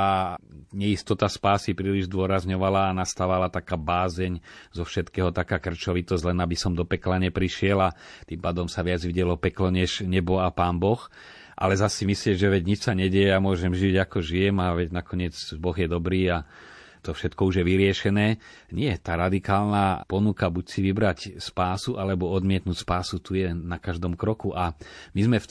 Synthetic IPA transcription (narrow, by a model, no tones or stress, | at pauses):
aɲɛist̪ɔt̪aspaːsipɾiːliʒzd̪ʊɔɾazɲɔʋalaːnast̪aːʋalat̪akaːbaːzɛɲzɔfʃɛt̪kɛːɦɔt̪akaːkr̩t͡ʃɔʋit̪ɔsɟʲlɛnabisɔmd̪ɔpɛklaɲɛpɾiʃɪɛlat̪impaːd̪ɔmsaʋɪad͡zʋiɟɛlɔpɛklɔɲɛʒɲɛbɔapaːnbɔx | ʔa̰lɛzasːimisliɛʒɛʋɛɟɲit͡ʃsaɲɛɟɛjɛjamʊɔʒɛmʒiɟakɔʒijɛmaʋɛɟnakɔɲɪɛt͡sbɔɣjɛd̪ɔbɾiːa | t̪ɔfʃɛt̪kɔuʒjɛʋiɾɪɛʃɛnɛː | ɲɪɛt̪aːɾad̪ikaːlnapɔnukabucsiʋibɾacspaːsuʔalɛbɔɔd̪mɪɛt̪nucspaːsut̪ujɛnakaʒd̪ɔmkɾɔkuʔamizmɛf